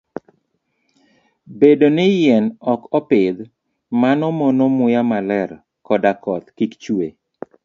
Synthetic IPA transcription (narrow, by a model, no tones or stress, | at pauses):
bedonɪjɛnɔkɔpɪd̪ | manɔmonomʊjamalɛr | kɔdakɔt̪kikt͡ʃwe